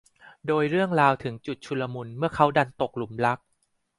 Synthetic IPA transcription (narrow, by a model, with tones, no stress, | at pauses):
doː˧jɾɯ˥˩əŋɾaː˧wt̪ʰɯ˩˦ŋt͡ɕu˨˩t̪̚t͡ɕʰu˧lːa˧mu˧nmɯ˥˩əkʰa˦˥wda˧nt̪o˨˩k̚lu˩˦mɾa˦˥k̚